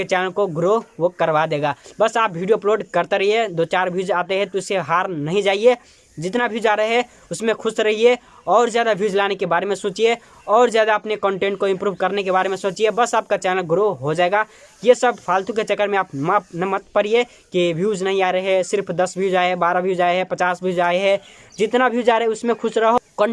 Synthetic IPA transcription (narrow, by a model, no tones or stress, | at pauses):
et͡ʃɛːnəlkoɡɾookəɾbad̪eːɡaːbɐsaːp̚bʱiːɖijoploːɖkəɾt̪eɾəɦied̪oːt͡ʃaːɾbʱjuːd͡ʒaːt̪eɦɛ̃t̪oʊseɦaːɾnɐɦĩd͡ʒaːie | d͡ʒɪt̪nabʱuːd͡ʒaːɾəɦɛ | ʊsmẽkʰʊsɾɐɦie | ɔːɾzjaːd̪abʱjuːd͡ʒlaːnekebaːɾemẽsʊ̃ːt͡ʃie | ɔːɾzjaːd̪aɐpnekə̃ɳʈẽːɳʈ̚koɪ̃mpɾuːbkəɾnekebaːɾemẽsõt͡ʃiebəsaːp̚kat͡ʃaːnəlɡɾoɦod͡ʒaeɡa | jesəb̚pʰaːlt̪uket͡ʃəkːəɾmẽaːpmanmət̪̚pəɾie | kibʱijuːd͡ʒnəɦĩaːɾəɦesɪɾpʰd̪əsbʱid͡ʒaːeɦɛbaːɾabʱiud͡ʒaːeɦɛpət͡ʃaːsbʱiuːd͡ʒaːeɦɛ̃d͡ʒɪt̪nabʱud͡ʒaɾɦʊsmẽkʰʊsɾəɦokə